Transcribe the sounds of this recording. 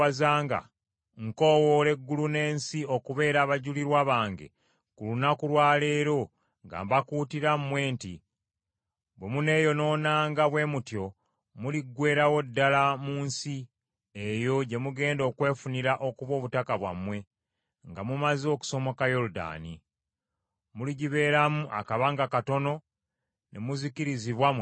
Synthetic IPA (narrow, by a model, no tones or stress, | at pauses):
azaːŋɡa̰ | ŋkowole̞ɡːulune̞ːnsio̞kuβe̞ːɾaːβaɟuliɾwaβaːŋɡḛ | kulunakulwaːle̞ːɾo̞ | ŋɡa̰ːmbakuːtiɾammːwe̞ːnti | bwe̞mune̞ːjo̞no̞ːnaːŋɡaβwe̞mutjo | muliɡːwe̞ːɾawo̞dːalamuːnsi | e̞jo̞ɟe̞muɡe̞ːndo̞ːkwe̞ːfuniɾaʔo̞kuβo̞ːβutakaβwa̰mːwe̞ | ŋɡamumazo̞ːku̥so̞mo̞kajo̞luda̰ːnḭ | muliɟiβe̞ːɾamuʔa̰kaβaŋɡakato̞no̞ | ne̞̰muziciɾiziβwam